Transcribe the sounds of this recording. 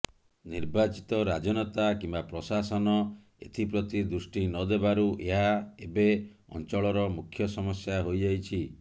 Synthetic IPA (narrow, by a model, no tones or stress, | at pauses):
niɾbat͡ʃi̥t̪ɔɾad͡ʒɔnɔt̪akimbapɾɔsasɔnɔ | ḛt̪ʰipɾɔt̪id̪ɾusʈinɔd̪ebaɾuʔeɦaebe | ɔ̰nt͡ʃɔɭɔɾɔmukʰːjɔsɔmɔsjaɦojd͡ʒajt͡ʃʰi